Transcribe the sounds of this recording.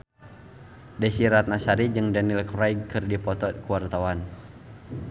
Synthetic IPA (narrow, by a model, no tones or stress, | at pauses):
dɛsiɾat̪̚nasaɾid͡ʒɨŋdanilkɾajkɨrdipɔt̪ɔkuwart̪awan